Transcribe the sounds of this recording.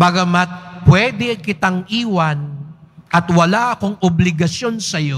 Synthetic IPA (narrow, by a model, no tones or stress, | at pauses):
baɡɐmɐt̪̚pwɛd̪ɛkɪt̪aŋʔiːwɐnʔɐt̪wɐlaʔɐkoŋʔʊblɪɡɐso̞nsɐjo